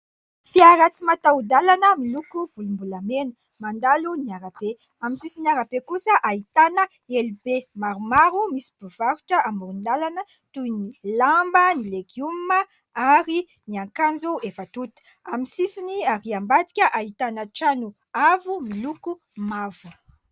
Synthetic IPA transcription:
fiaɾat͡simat̪aud̪alanəmilukuv̥ulumbulamenə | mand̪aluniaɾape | amisisiniaɾapekusəʔait̪anə | elibemaɾumaɾumisi̥b̥uvaɾuʈ͡ʂəʔamuɾund̪alanə | t̪ujnilambənileɡjumə | aɾi | niaŋkand͡zuefət̪ut̪u̥ | amisisiniaɾiambat̪i̥kʲəʔait̪anəʈ͡ʂanu | avumiluku | mavu

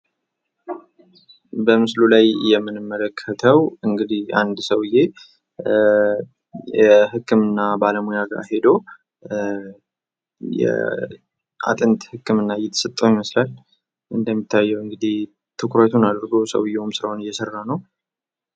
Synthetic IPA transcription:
bəmɨslulajjɛmːɨnɨmːələkʰːət̪ʰəwɨŋɡɨd̪iha̰nd̪səwɪje̞ | jɛɦɨkːɨmɨnːabaləmujaɡa̰hed̪o̞ | jɛ̰ | a̰t̪ʼɨnt̪hɨkːɨmɨnːajɛt̪ʰə̥sɨt̪ʼːəwiməslal | ʔɨnd̪əmːit̪ʰːajːɛwɨŋɡɨd̪ih | t̪ʰɨkʰɾət̪ʰunad̪ɾɡo̞sə̰wɨjeumsɨɾahonɨjːɛsərːanəw

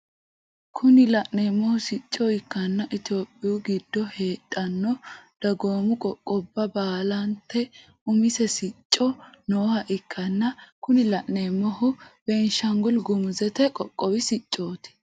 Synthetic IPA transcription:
kʰʊnɪlɐʔneːmːɔhʊsɪt͡ʃʼːɔɪkːɐnːɐʔɪt̪jo̞ːpʼːɪjʊɡɪd̪ːɔhe̞ːtʼːɐnːɔd̪̥ɐɡo̞ːmʊkʼɔkʼːɔbːɐbaːlɐnt̪ːɛ | ʊmɪsɛsɪt͡ʃʼːɔnoːhɐʔɪkːɐnːɐkʊnɪlɐʔneːmːɔhʊb̥ɛnʃɐŋɡʊlɡʊmʊzɛt̪ɛkʼɔkʼːɔwɪsɪt͡ʃʼːo̞ːt̪ɪ̥

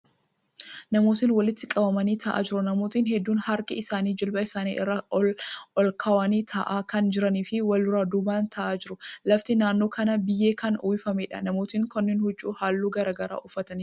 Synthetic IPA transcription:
nɐmo̞ːt̪ɪnwɐlɪt̪ːɪkʼɐbɐmɐniːt̪ʰɐʔa̰ːd͡ʒɪɾʊnɐmo̞ːt̪iːnɦɛd̪ːuːnhɐɾkɪɪsaːniːd͡ʒɪlbɐɪsaːniːʔɪrːɐ | ʔɔlkʰɐwɐniːt̪ʰɐ̰ʔaːkɐnd͡ʒɪɾɐniːfɪwɐlʊɾaːd̪ubaːnt̪ʰɐʔaːd͡ʒɪɾʊlɐft̪ɪnaːnːo̞ːkɐnɐbɪjːeːkɐnuːjɪfɐmeːᶑɐnɐmo̞ːt̪iŋkɔnːɪnhʊd͡ʒːṵːhaːlːuːɡɐɾaːɡɐɾa̰ːʔʊfːɐt̪ɐn

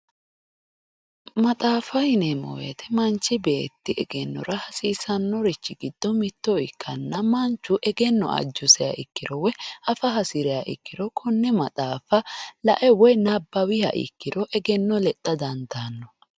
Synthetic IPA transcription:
mɐt̪ʼaːfɐhɪnɛmɔ̰wḛt̪ʰɛmɐnt͡ʃːɪbeːt̪ːɪʔɛɡɛnːɔ̰ɾɐhɐsiːsɐnːɔɾɪt͡ʃːɪɡɪd̪̥ːɔmɪt̪ːɔɪkʰːɐnːɐmɐnt͡ʃːʊʔɛɡɛnːɔ̰ʔɐ̰d͡ʒːʊsɛja̰ʔɪkːɪɾɔwɛʔɐfɐɦɐsɪɾɛjaʔɪ̰kːɪɾɔkʰɔnːɛmɐt̪ʼaːfɐlɐ̰ʔɛwɔjnɐbːɐwɪhɐ̰ʔɪ̰kːɪɾɔʔɛɡɛnːɔlɛt̪ʼːɐd̪ɐnd̪aːnːɔ

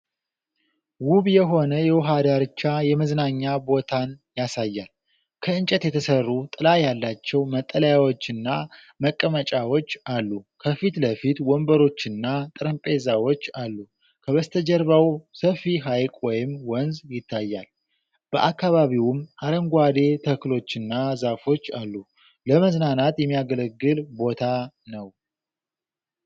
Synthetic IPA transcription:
wuβjɛɦo̞nəjɛwɦad̪aɾɨt͡ʃːajɛməznaɲːabo̞t̪ʰanjasajːal | kʰəɨnt͡ʃʼɛt̪jɛt̪ʰəsərːut̪ʼɨlajalːat͡ʃːɛwmət̪ʼːələjawo̞t͡ʃːɨnːa | məkʼːəmət͡ʃʼawo̞t͡ʃːalːukʰəfit̪ləfit̪wɔmbəɾo̞t͡ʃːɨnːat̪ʼɨɾəmpʼe̞zawo̞t͡ʃːalːu | kʰəβəst̪ʰəd͡ʒɛɾβawsəfiɦajkʼwɔjɪmwɔnzjɪt̪ʰːajːal | b̥əʔakːaβaβiwʊmaɾəŋɡʷad̪e̞t̪ʰəklo̞t͡ʃːɨnːazafo̞t͡ʃːalːu | ləməznanat̪jɛmːijaɡələɡːɨlbo̞t̪ʰa | nəw

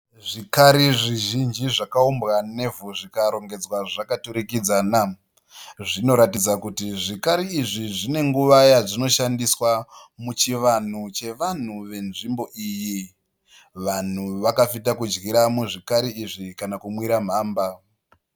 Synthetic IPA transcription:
ʐikaɾiʐiʒind͡ʒiʐakaumbɣane̞vuʐikaɾo̞ŋɡe̞d͡zwaʐakatuɾikid͡zaːna | ʐino̞ɾatid͡zakutiʐikaɾiːʐiʐine̞ŋɡuʋajaʐino̞ʃandiswamut͡ʃiʋan̤ut͡ʃe̞ʋan̤uʋe̞nʐimbo̞ʔiji | ʋan̤uʋakafitakud͡ʒɣiɾamuʐikaɾiiʐikanakumwiɾam̤aːmba

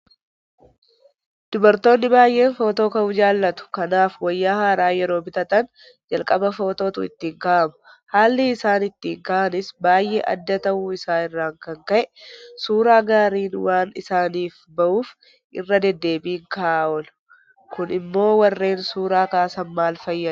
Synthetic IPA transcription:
d̪̥ʊbɐɾt̪o̞ːnːɪbaːjʔe̞ːnfo̞ːt̪o̞ːkɐʔʊd͡ʒaːlːɐt̪ʊ̥kɐnaːfwɐjːaːhaːɾaːjɛɾo̞ːbɪt̪ɐt̪ɐn | d͡ʒɐlkʼɐbɐfo̞ːt̪o̞ːt̪ʊɪ̰t̪ːiːŋkaʔɐmʊ̥ | haːlːɪːsaːnɪt̪ːiːŋkaʔɐnɪsbaːjːḛːʔɐ̰d̪ːɐt̪ɐʔuɪsaːɪrːaːŋkɐŋkɐʔɛsuːɾaːɡaːɾiːnwaːnɪ̰saːniːf | bɐʔuːf | ʔɪ̰rːɐd̪ɛd̪ːe̞ːbiːŋkɐʔaːʔɔl | kʊnɪmːo̞ːwɐrːe̞ːnsuːɾaːkaːsɐnmaːlfɐjːɐ

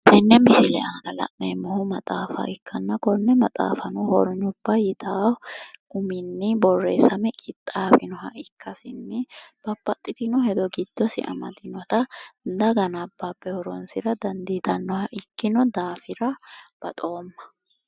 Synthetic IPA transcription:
t̪ɛnːɛmɪsɪlɛanɐlɐ̰ʔnemːɔhʊmɐt̪ʼaːfɐ̰ʔɪkʰːɐnːɐkɔnːɛmɐt̪ʼa̰ːfɐnʊhɔ̰ɾɔɲːʊb̥ːajɪt̪ʰaːʔʊmɪnːɪbɔrːḛːsɐmɛkʼɪt̪ʼːaːfɪnɔɦɐ̰ʔɪkʰːɐsɪnːɪb̥ɐpːɐt̪ʼːɪt̪ɪnɔhɛd̪ɔɡɪd̪̥ːɔsɪ̰ʔɐ̰mɐ̰d̪ɪnɔt̪ɐd̪ɐɡɐnɐbːaːbːɛhɔɾɔ̰nsɪɾɐd̪ɐnd̪it̪ɐnːɔhɐʔɪkːɪnɔd̪aːfɪɾɐb̥ɐ̰t̪ʼo̞ːmːɐ̥

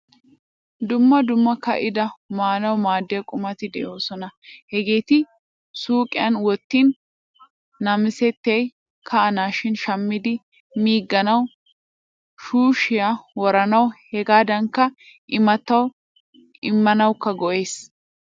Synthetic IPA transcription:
d̪ʊmːɐd̪ʊmːɐkːɐ̰ʔɪd̪ɐmaːnɐwmaːd̪ːɛɐkʼʊmɐt̪ɪd̪ɛjo̞ːsɔnɐhɛɡe̞ːt̪ɪ | suːkʼɪjɐnwɔt̪ːiːnː | ɐmɪsɛt̪ːej | kʰɐɐnaːʃɪnʃɐmːɪd̪ɪ | miːɡːɐnɐw | ʃuːʃɪjawɔɾɐnɐwhɛɡaːd̪ɐŋkːɐ | ɪmɐt̪ːɐw | ɪmːɐnɐwkːɐɡɔʔe̞ːs

